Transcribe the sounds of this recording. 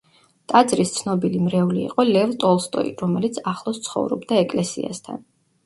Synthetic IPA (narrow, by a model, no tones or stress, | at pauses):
t̪ʼad̪zɾist̪sʰnɔbilimɾɛulḭːqʼɔlɛvt̪ʼɔlˠst̪ʼɔ̰iɾɔmɛlit̪sʰaχlˠɔst̪sʰχɔ̰vɾɔ̰bd̪aɛkʼlɛsia̰st̪ʰa̰n